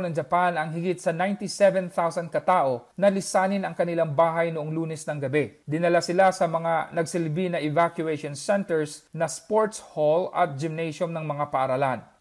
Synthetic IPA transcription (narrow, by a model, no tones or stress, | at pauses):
nɐŋd͡ʒɐpanɐŋɦɪɡit̪̚sɐnajnt̪isɛvɛnt̪awsɐnd̪kɐt̪aːʔo̞nɐlɪsaːnɪnɐŋkɐnɪlaŋbaːɦɐjnʊʔoŋluːnɛsnɐŋɡɐbɛd̪ɪnɐlasɪlasɐmɐŋanɐɡsɪlbinɐʔɛvakjʊɛʃonsɛnt̪ɛɹsnɐspoɹt̪sholɐ̰t̪̚d͡ʒɪmnɛjʃomnɐŋmɐŋapɐʔɐɾalan